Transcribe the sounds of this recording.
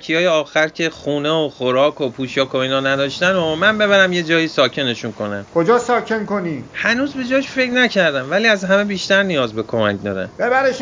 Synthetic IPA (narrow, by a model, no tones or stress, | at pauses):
cʰijɒːjeɒːxæɾcʰe̞χuːneoχoɾɒːkʰo̞pʰuːʃɒːkʰo̞iːnɒːnæd̪ɒːʃt̪ænomænbe̞βæɾæmje̞d͡ʒɒːjisɒːcʰe̞ne̞ʃunkʰo̞næmkʰod͡ʒɒːsɒːkʰenkoniːhænuːzbe̞d͡ʒɒːʃfe̞cnæcʰæɾd̪æmvæliːæzhæme̞biːʃt̪æɾnijɒːzbe̞kʰo̞mæ̰cd̪ɒ̰ːɾæ̰nb̥ebæɾeʃ